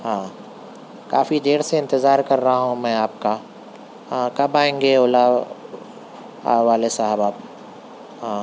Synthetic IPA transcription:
ɦãː | ka̰ːfid̪eːɽseɪ̃nt̪ɪzaːɾkɐɾːɐɦaɦũmɛ̃ːaːp̚kã | kɐbaːẽːŋɡeoːla | ʋaːlesaɦbaːb̚ | ɦãː

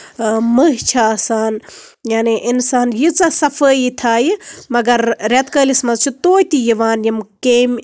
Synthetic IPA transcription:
məɦt͡ʃʰasaːnjaːniʔinsaːnjit͡sasɐfəːit̪ʰaːjimɐɡɐɾːɐt̪kəːlismɐzt͡ʃʰit̪oːjt̪ijiʋaːnjimkeːm

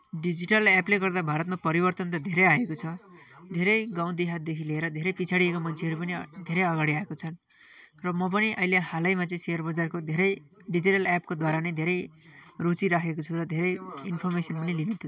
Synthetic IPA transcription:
ɖid͡ziʈʌlɛpleɡʌrd̪abʱaɾʌt̪mapʌɾibʌrt̪ʌnt̪ʌd̪ʱeɾʌjaekot͡sʰʌ | d̪ʱeɾʌjɡãw̃d̪iɦad̪ekʰilieɾʌd̪ʱeɾʌjpit͡sʰaɽiekomʌnt͡sʰeɦʌɾupʌnid̪ʱeɾʌjʌɡaɽiaekot͡sʰʌn | rʌmʌp̬ʌniʔʌilehalʌjmat͡sʌĩseʌrbʌd͡zarkod̪ʱeɾʌj | ɖid͡ziʈʌlap̚kod̪waɾanʌjd̪ʱeɾʌjrot͡siɾakʰekot͡sʰuɾʌd̪ʱeɾʌjinpʰʌrmesʌnpʌnilinʌt̪ʰu

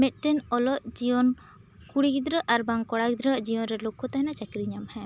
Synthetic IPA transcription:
mɛt̪̚ˀʈɛnɔlɔʔd͡ʒijɔn | kuɽikd̪ɾəʔaɾbaŋkɔɽakd̪ɾəʔd͡ʒijɔnɾɛlokːɔt̪aɦɛnat͡ʃakɾiɲamhɛ̃

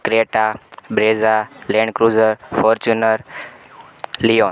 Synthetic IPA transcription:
kɾeʈabɾezalẽɳɖkɾuzəɾfʰɔɾt͡ʃunəɾ | lion

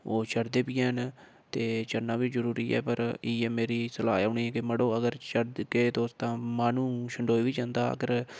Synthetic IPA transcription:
oːt͡ʃəɽd̪eːpɪːɛːɦən | t̪eːt͡ʃəɾnaːbiːzəɾuːɾiːɛ̰ːpəɾɪɛːmeːɾiːsəlaːʊːɳiːkɪməɽoːəɡəɾt͡ʃəɾd̪keːt̪oʊst̪ãːmãːnũːʃəɳɖoːiːʋiːd͡ʒãːnd̪aːə̰ɡəɾ

